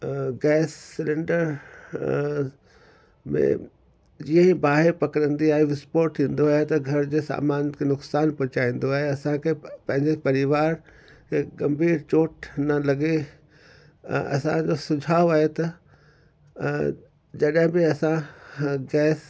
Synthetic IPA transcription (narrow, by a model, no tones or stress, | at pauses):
ɡɛːsːɪlɪ̃ɳɖəɾ | mḛ̃ | d͡ʑiə̃ĩbaːɦɪɾpɐkəɾə̃nd̪iaːɦeʋɪspoːɾʈ̪ʰĩːn̆d̪oaːɦet̪ɐɡʱɐɾd͡ʑeːsa̰ːmaːnkʰenʊksaːnpʊt͡ɕaːĩːn̆d̪oaːɦeɐsãkʰepɐ̃ɦɪ̃ɲd͡ʑepɐɾɪʋaːɾ | kʰeɡɐ̃mbʱiːɾt͡ɕoːʈnɐlɐɡe | ɐ̰sãd͡ʑosʊd͡ʑʱaːoaːɦet̪ɐ | d͡ʑɐɗɦɪ̃bɪɐsãɡɛːs